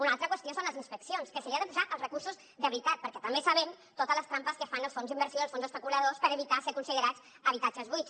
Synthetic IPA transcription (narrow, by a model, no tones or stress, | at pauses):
unalˠt̪ɾəkwəst̪josonləzinspəksionskəsəɾianəpuzaʔəlˠzrəkursuz | ðəβɾit̪at̪̚pəɾkɛt̪ɐmbesɐβɛm | t̪ot̪əzləst̪ɾampəskəfanəlˠsfonzðimbəɾsjoəlˠsfonzəspəkuləðospəɾəβit̪asekunsiðəɾat͡s | əβ̞it̪ad͡ʒəzβus